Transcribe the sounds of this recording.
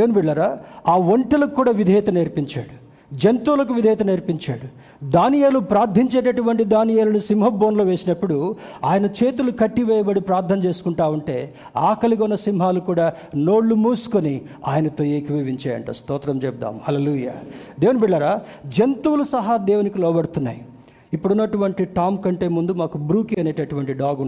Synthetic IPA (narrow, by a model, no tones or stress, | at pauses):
d̪eːʋnibiɖlɐɾaːaːʋoɳʈilɐkːuːɽaːʋid̪ʱeːjt̪ɐneːɾpiɲt͡ʃa̰ːɽu | d͡ʒent̪uːlɐk̬uʋid̪ʱɛjt̪ɐneːɾpiɲt͡ʃaːɽu | d̪aːnijeːlupɾaːɾd̪ʱiɲt͡ʃeːʈɐʈuʋɐɳʈid̪aːnijeːlɐnusimɦɐbːoːnloːʋeːsinɐpːuɽuaːjɐnɐt͡ʃe̞ːt̪̬ulukɐʈːiʋɛːjɐbɐɽipɾaːɾt̪ʰːɐmt͡ʃe̞ːsu̥kuɳʈaːʋuɳʈe̞ː | aːkɐliɡɔnːɐsimɦaːlukuːɽaː | no̞ːɽlumuːsu̥koni | aːjɐnɐt̪ojeːkiʋiʋiɲt͡ʃaːjɐ̰ɳʈɐ̰st̪ɔːt̪ɾɐmt͡ʃɛp̚d̪a̰ːmhɐleːluːja̰ːd̪eːʋunibiɽːɐɾaːd͡ʒent̪uwulusɐɦɐd̪ɛːʋɐnikilɔːbɐɽut̪unːa̰ːju | ipːuɽunːɐʈuʋɐɳʈiʈaːmkɐɳʈe̞ːmund̪umaːkubɾuːkiɐne̞ːʈɐʈuʋɐɳʈiɖaːɡun